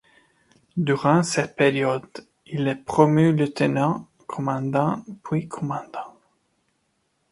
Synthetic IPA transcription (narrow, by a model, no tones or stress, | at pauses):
d̪yʁɑ̃sɛt̪̚peʁjɔd̪ | ilɛpχɔmylət̪ənɑ̃ | kʰɔmɑ̃d̪ɑ̃pwikʰɔmɑ̃d̪ɑ̃